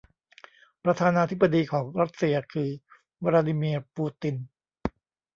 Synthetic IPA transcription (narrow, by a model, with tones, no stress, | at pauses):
pɾa˧t̪ʰaː˧naː˧t̪ʰi˦˥pbːa˧diː˧kʰɔː˩˦ŋɾa˦˥t̪̚si˧ɐkʰɯː˧ | waː˧ɾaː˧diː˧mi˧ɐpuː˧t̪i˧n